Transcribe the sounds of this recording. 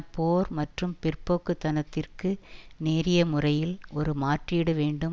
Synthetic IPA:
pːoːɾmɐʈrɯmpɪrpoːkːɯt̪ːɐnɐt̪ːɪrkɯneːɾɪjɐmʊrɐjɪlʔɔɾɯmaːʈriːɽɯʋeːɳɖɯm

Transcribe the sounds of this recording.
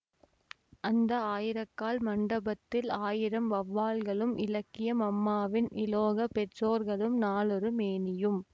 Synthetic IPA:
ʔɐnd̪ɐaːjɪɾɐkːaːlmɐɳɖɐbɐt̪ːɪlaːjɪɾɐmʋɐʋːaːlɣɐɭɯmʔɪ̰lɐkːɪjɐmɐmːaːʋɪnʔɪloːɣɐpɛʈroːɾɣɐɭɯmnaːlɔrɯmeːnɪjɯm

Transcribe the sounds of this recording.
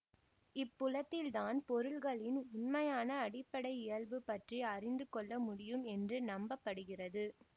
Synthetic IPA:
ɪpːʊlɐt̪ːɪlt̪aːnpɔɾɯɭɣɐɭɪnʊnmɐjaːnɐːɽɪpːɐɽɐɪɪjɐɭʋɯpːɐʈriɐrɪnd̪ɯkɔɭːɐmʊɽɪjɯmɛndrɯnɐmbɐpːɐɽɯɣɪrɐðɯ

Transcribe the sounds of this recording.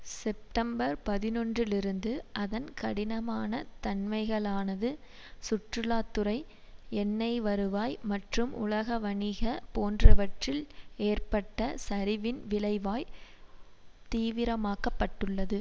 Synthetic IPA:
sɛp̚ʈɐmbɐɾpɐðɪnɔndrɪlɪɾɯnd̪ɯʔɐðɐnkɐɽɪnɐmaːnɐt̪ɐnmɐɪɣɐɭaːnɐðɯ | sʊʈrɯlaːt̪ːɯɾɐɪ | ɛnːɐɪʋɐɾɯʋaːjmɐʈrɯmʔʊ̰ɭɐɣɐʋɐɳɪɣɐpoːndrɐʋɐʈrɪleːrpɐʈːɐsɐɾɪʋɪnʋɪlɐɪʋaːj | t̪iːʋɪɾɐmaːkɐpːɐʈːɯɭːɐðɯ

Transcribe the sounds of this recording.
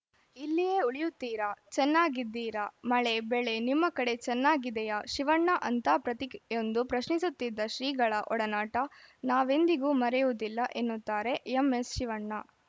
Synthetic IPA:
ilːijeuɭijut̪ːiːɾɐt͡ʃɛnːaːɡid̪ːiːɾamɐɭe̞beɭe̞nimːɐkɐɽe̞t͡ʃɛnːaːɡid̪ɛjaʃiʋɐɳːɐʔɐnt̪ɐpɾɐt̪ikond̪upɾɐʃnisut̪ːid̪ːɐʃɾiːɡɐɭɐʔɔɽɐnaːʈɐnaːʋe̞nd̪iɡuːmɐɾɛjud̪ilːɐʔenːut̪ːaːɾe̞jemesʃiʋɐɳːɐ

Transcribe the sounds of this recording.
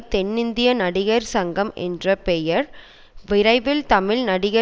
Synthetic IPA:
t̪ɛnːɪnd̪ɪjɐnɐɽɪɣɐɾsɐŋɡɐmʔɛ̰ndrɐpɛjɐɾ | ʋɪɾɐɪʋɪlt̪ɐmɪlnɐɽɪɣɐ

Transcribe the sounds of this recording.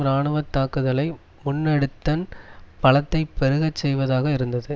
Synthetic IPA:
ɾaːɳɯʋɐt̪ːaːkɯðɐlɐɪ | mʊnːɐɽɯt̪ːɐnpɐɭɐt̪ːɐɪpːɛɾɯɣɐt͡ʃːsɛjʋɐðaːɣɐɪɾɯnd̪ɐðɯ

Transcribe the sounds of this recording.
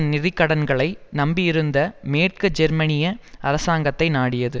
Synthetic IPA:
nɪrɪkːɐɽɐnɡɐɭɐɪnɐmbɪjɪɾɯnd̪ɐmeːʈ̚kɯd͡ʒɛɾmɐnɪjɐɐɾɐsaːŋɡɐt̪ːɐɪnaːɽɪjɐðɯ

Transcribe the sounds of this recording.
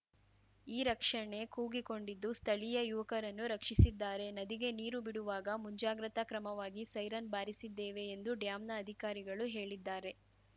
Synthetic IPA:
iːɾɐkʂɐɳe̞kuːɡiko̞ɳɖid̪ːust̪ʰɐɭijɐjuʋɐkɐɾɐnːuɾɐkʂisid̪ːaːɾe̞nɐd̪iɡe̞niːɾubiɽuʋaːɡɐmuɲd͡ʒaːɡɾɐt̪ɐkɾɐmɐʋaːɡisɐjɾɐnbaːɾisid̪ːeːʋe̞ːnd̪uɖjaːmnɐːd̪ʱikaːɾiɡɐɭuɦe̞ːɭid̪ːaːɾe̞

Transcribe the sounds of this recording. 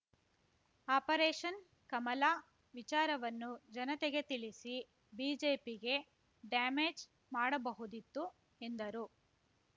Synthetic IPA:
aːpɐɾeːʂɐn | kɐmɐlaː | ʋit͡ʃaːɾɐʋɐnːud͡ʒɐnɐt̪eɡe̞t̪iɭisi | biːd͡ʒeːpiɡe̞ | ɖaːmeːd͡ʒ | maːɽɐbɐɦud̪it̪ːu | e̞nd̪ɐɾu

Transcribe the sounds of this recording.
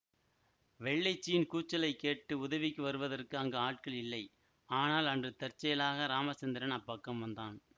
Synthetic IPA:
ʋɛɭːɐɪt͡ʃːɪjɪnkuːt͡ʃːɐlɐɪkːeːʈːɯʊðɐʋɪkːɯʋɐɾɯʋɐðɐrkɯɐŋɡɐaːʈ̚kɐɭɪlːɐɪ | aːnaːlɐndrɯt̪ɐrt͡ʃːɐjɐlaːɣɐɾaːmɐt͡ʃɐnd̪ɪɾɐnɐpːɐkːɐmʋɐnd̪aːn

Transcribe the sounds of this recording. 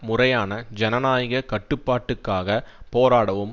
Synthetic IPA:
mʊrɐjaːnɐd͡ʒɛnɐnaːjɪɣɐkɐʈːɯpːaːʈːɯkːaːɣɐpoːɾaːɽɐʋɯm

